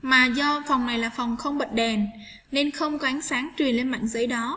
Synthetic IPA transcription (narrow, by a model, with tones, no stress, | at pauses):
maː˨˩zɔ˧fɔ˨˩wŋ͡mna˨˩jlaː˨˩fɔ˨˩wŋ͡mxə˧wŋ͡mɓə̰˨n̚ɗɛ˨˩n | ne˧nxə˧wŋ͡mkaː˨˦nsaː˨˦ŋt͡ɕwi˨˩ənle˧nma̰ː˧˨ŋzə˨˦jɗɔ˨˦